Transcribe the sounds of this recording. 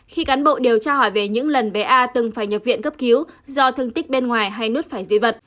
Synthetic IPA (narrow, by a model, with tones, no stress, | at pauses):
xi˧kaː˨˦nɓo̰˧˨ɗe˨˩wt͡ɕaː˧hɔ˧˩jve˨˩ɲɨ̰˧˥ŋlə˨˩nɓe˨˩ʔaː˧t̪ɨ˨˩ŋfaː˧˩jɲə˨˩p̚vḭ˧˨ənkə˦˥p̚ki˨˦wzɔ˧t̪ʰɨ˧əŋt̪ï˦˥k̚ɓe˧nŋwaː˨˩jɦa˧jnu˦˥t̚faː˧˩jzḭ˧və˨˩t̚